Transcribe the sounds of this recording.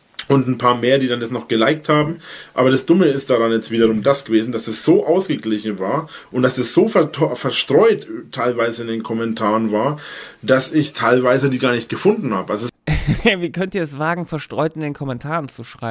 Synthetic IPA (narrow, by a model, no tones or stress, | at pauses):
ʔʊntn̩pʰaːɐmeːɐdiːdandasnɔχɡ̥əlaɪk̚thaːbm̩ʔa̰ːbɐɾasd̥ʊməɪst̚d̥aʁanjɛt͡stv̥iːdɐʁʊmdasɡ̥əveːzn̩dasd̥asz̥oːʔaʊsɡ̥əɡlɪçn̩vaːɐʔʊnt̚d̥asd̥asz̥oːfɛtʰɔfɛɐʃtʁ̥ɔʏtʰːaɪlvaɪzəɪndeːnkʰɔmɛntʰaːʁənvaːɐd̥asɪçtʰaɪlvaɪzədiːɡaːɐnɪçt̚ɡ̥əfʊndn̩ha̰ːbəʔalzoviːkʰœntiːɐɛsv̥aːɡŋ̩fɛɐʃtʁ̥ɔʏtɪndeːnkʰɔmɛntʰaːʁənt͡suʃʁ̥aɪbm̩